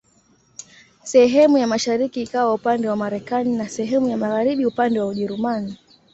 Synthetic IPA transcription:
sɛɦɛmujamaʃaɾikiːkawaupandɛwamaɾɛkaninasɛɦɛmujamaɣaɾiɓiupandɛwauʄɛɾumani

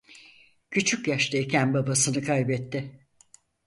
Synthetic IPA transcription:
cʰyt͡ʃʰycjaʃt̪ʰaecʰænbabasɯnɯkʰajbɛt̪ːɪ

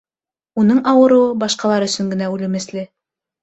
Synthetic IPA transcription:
unɤɴɑwɤ̆ɾɤ̆ɤbɑʃqɑlˠɑɾɵ̆sɵ̆ŋɡɘ̆næʉlɘ̆mɘ̆slɘ

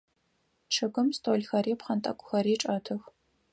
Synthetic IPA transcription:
ʈ͡ʂʰɨɡʷʊmstʼoːlxɐɾeːpχɐntʼɐ̰kʷʼʊxɐɾiːʈ͡ʂʼɐtʰɨx

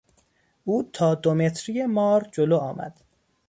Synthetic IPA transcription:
ʔuːt̪ʰɒːd̪omet̪ʰɾijemɒːɾd͡ʒoloːɒːmæ̰d̪̥

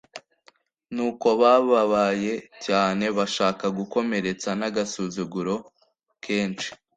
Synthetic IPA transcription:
nuːko̞βaβaβaje̞caːne̞βaʃaːkaɡuko̞me̞ɾe̞t͡sanaɡasuzuɡuɾo̞ | kʰe̞ːnt͡ʃi̥

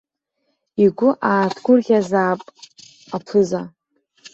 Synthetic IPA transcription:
iɡʷʊʔaːtʰɡʷʊrχʲazaːpʼ | apʰɨza

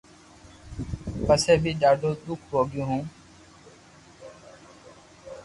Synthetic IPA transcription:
pəseːbʱiːɗaːɖʱoːɗ̪ʊkʰɾoːɡjõːɦũː

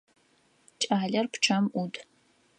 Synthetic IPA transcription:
t͡ʃʼaːɮɐrpʷʈ͡ʂʰɐmʔutʰʼ

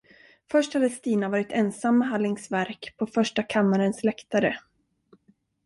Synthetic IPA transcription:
fœʂʈhad̪əst̪iːnavɑːɾɪt̪ɛnsamːɛɦalːɪŋsvæɾkpʰɔfœʂʈakʰamːaɾənslɛkt̪aɾə

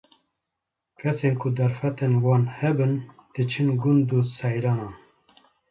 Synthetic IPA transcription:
kʰɛseːnkʰʊd̪ɛɾfɛt̪eːnwɑːnhɛbɨnd̪̥ɨt͡ʃʰɨnɡund̪uːsɛjɾɑːnɑːn

